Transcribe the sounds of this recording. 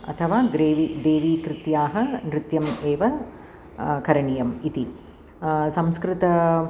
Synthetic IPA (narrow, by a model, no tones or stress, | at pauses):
ɐ̰t̪ʰɐʋaːɡɾeːʋid̪eːʋiːkɾɪt̪jaːɦɐnɾɪt̪jɐmeːʋɐ | kɐɾɐɳijɐmit̪i | sɐmskɾɪt̪ɐ